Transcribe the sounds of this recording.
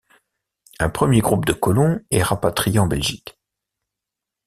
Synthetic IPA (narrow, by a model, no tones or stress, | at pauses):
ɛ̃pχəmjeɡʁup̚d̪əkɔlɔ̃ɛʁapat̪χijeɑ̃bɛlʒik